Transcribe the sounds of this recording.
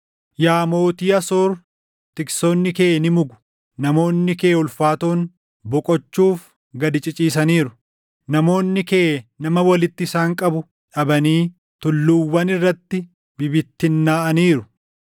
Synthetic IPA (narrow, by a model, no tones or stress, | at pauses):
jaːmo̞ːt̪iːɐsoːɾ | t̪ɪksonːɪkeːnɪmʊɡʊ̥ | nɐmo̞ːnːɪkeːʊlfaːt̪oːn | bɔkʼɔt͡ʃːuːf | ɡɐd̪ɪt͡ʃʼɪt͡ʃʼiːs̬ɐniːɾʊ | nɐmo̞ːnːɪkeːnɐmɐwɐlɪt̪ːɪsaːŋkʼɐbʊ | ᶑɐbɐniː | t̪ʊlːuːwːɐnɪrːɐt̪ːɪ | bɪbɪt̪ːɪnːaːʔɐniːɾʊ